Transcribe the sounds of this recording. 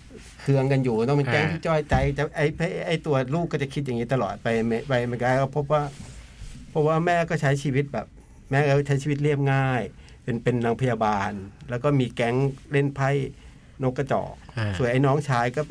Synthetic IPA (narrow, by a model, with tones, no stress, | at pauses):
kʰɯ˧əŋka˧njuː˨˩nɔ˦˥ma˧nkɛː˧˥˩ŋt̪ʰiː˥˩t͡ɕɔː˧˥˩jt͡ɕa˧jt͡ɕa˨˩ʔa˧˥˩jpʰa˧˥˩ʔa˧˩jt̪u˧ɐluː˥˩kːɔː˥˩t͡ɕa˨˩kʰi˦˥t̪̚ja˨˩ŋi˦˥t̪ʰa˧lɔ̰ː˨˩t̪̚pa˧jm˧pa˧jma˧nkaː˧˥˩kɔː˥˩pʰo˦˥˩p̚waː˥˩ | pʰo˦˥˩p̚waː˥˩mɛː˥˩kɔː˥˩t͡ɕʰa˦˥jt͡ɕʰiː˧wi˦˥t̪̚bɛː˨˩p̚ | mɛː˥˩kɔː˥˩˥t͡ɕʰa˦˥jt͡ɕʰiː˧i˦˥t̪̚li˥˩əp̚ŋaː˥˩j | pe˧npe˧nːa˧ŋpʰa˧jaː˧baː˧nlɛː˦˥wkɔː˥˩miː˧kɛ˦˥ŋle˥˩npʰa˧˥˩j | no˦˥kːa˧˩t͡ɕɔ̰ː˨˩k̚su˨˩əjʔa˧jnɔː˦˥ŋt͡ɕʰaː˨˥jkɔː˥˩